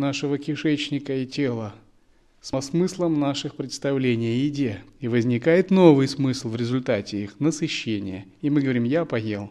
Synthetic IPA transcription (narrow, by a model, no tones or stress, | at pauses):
naʂɨvəkʲɪʂɛt͡ɕnʲɪkəɪtʲelˠə | sɐsmɨslˠəmnaʂɨxpɾʲɪt̪st̪ɐvlʲenʲɪjəjɪdʲeivəzʲnʲɪkajɪt̪no̞vɨjsmɨslˠvɾʲɪzʊlʲt̪atʲɪixnəsɨɕːenʲɪ̰jəɪmɨɡəvɐɾʲimjapɐjelˠ